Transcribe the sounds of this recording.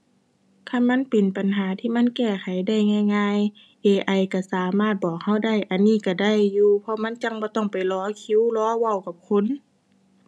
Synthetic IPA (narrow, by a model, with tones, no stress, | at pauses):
kʰa˧˥˨mːa˧˥˨npe˨npa˨nɦaː˨˦t̪ʰiː˧˩ma˧˥˨nkɛː˧˩kʰa˨˦jda˧˩jŋaː˧˨jŋaː˧˨j | ʔeː˧˩ʔa˧˩˨jka˧˩saː˨˦maː˧˥˩t̪̚bɔː˨˩k̚ha˧˥˩wda˧˥˩jʔa˨˩nːiː˧˥˨ka˧˩da˧˥˩jːuː˧pʰɔ˧ma˧˥˨nt͡ɕa˧˥˨ŋbɔː˧˦t̪ɔ˧˩ŋpa˨˩jlɔː˧˥˨kʰi˧˥˦wlɔː˧˥wa˧˩˨wka˧p̚kʰo˧˥˨n